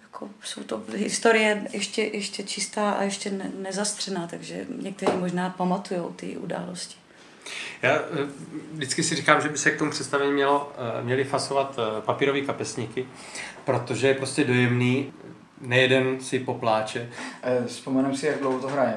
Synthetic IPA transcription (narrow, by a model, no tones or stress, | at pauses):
jakʰoso̰wt̪oɦɪst̪oɾɪjɛjɛʃcɛjʔɛʃcɛt͡ʃɪst̪aːʔa̰jɛʃcɛnɛnɛzast̪r̝̥ɛnaːt̪aɡʒɛ̰ɲɛk̚t̪ɛɾiːmoʒnaːpamat̪ujowt̪ɪ̰ʔṵda̰ːloscɪ̥ | jaː | vdɪt͡skɪsɪrikaːmʒɛbɪsɛk̚t̪omupr̝ɛt̪st̪avɛɲiːmɲɛlomɲɛlɪfasovat̪papiːɾoviːkapɛsɲɪkɪ | pɾo̞t̪oʒɛjɛpɾo̞scɛdo̞jɛmniː | nɛjɛdɛnsɪpo̞plaːt͡ʃɛspomɛnɛmsɪjaɡ̚dlowɦot̪oɦɾajɛ